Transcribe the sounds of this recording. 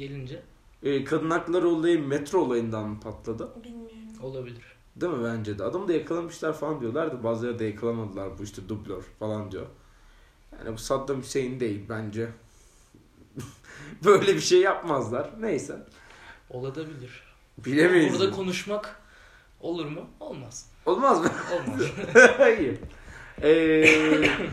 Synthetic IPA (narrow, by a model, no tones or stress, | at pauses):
ɟelʲind͡ʒɛː | kʰad̪ɯnaklˠaɾɯolˠajɯmɛt̪ɾolˠajɯnd̪anːpʰat̪lˠad̪ɯ | olˠabilʲiɾ̥ | d̪emɯbænd͡ʒɛd̪ɛad̪amd̪ajakʰalˠamɯʃlˠaɾfalˠand̪ijo̞lˠaɾd̪ɪbaːzlˠaɾɯd̪ajakʰalˠamad̪ɯlˠaɾbuiʃt̪ʰɛd̪ublʲøɾ̥falˠand̪ijo̰ | ja̰ːnibusad̪ːamyse̞jind̪e̞jilʲbænd͡ʒɛ | bøjlʲebiʃe̞jːapmazlˠaɾ̥nejsæn | olˠad̪abilʲiɾ̥ | bilʲemejiuɾd̪akʰo̞nuʃmak | o̞lˠuɾmuolˠmaz̥ | olˠmazmɯolˠma | ij | ɛː